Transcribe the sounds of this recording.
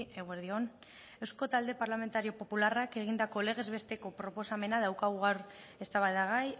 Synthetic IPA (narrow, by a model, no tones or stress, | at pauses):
eɣweɾðio̞n | e̞wsko̞t̪ald̪e̞paɾlame̞nt̪aɾio̞po̞pularake̞ɣ̞ind̪ako̞le̞ɣ̞e̞zβe̞st̪e̞ko̞pɾo̞po̞same̞nað̞awkaɣuɣaɾ | e̞st̪aβaðaɣ̞aj